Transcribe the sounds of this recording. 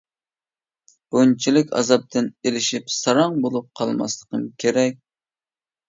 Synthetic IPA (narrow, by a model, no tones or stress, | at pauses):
b̥ont͡ʃʰilɪkʲɑ̰zɑp̚t̪ʰɨnelɪʃipsɑɾɑŋbolˠup̚qʰɑlˠmɑ̰slˠəqəmkʲʰeɾɛk̚ʲ